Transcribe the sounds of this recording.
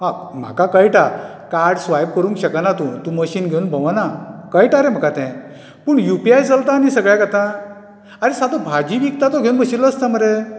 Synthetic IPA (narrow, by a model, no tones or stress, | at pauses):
ɦa | m̤a̰kakajʈa | kaɾɽsʋajb̚kəɾũŋkɕəkanat̪ũt̪ũməɕiːnɡʱeunbʱə̃ʋanakajʈaɾem̤əkat̪ɛ̃ | pəːɳjupiajd͡zalt̪aːnisəɡɭãɡət̪ã | aɾesat̪obʱad͡ʑiʋik̚t̪at̪oɡʱeunbʱəɕiləəst̪am̤əɾe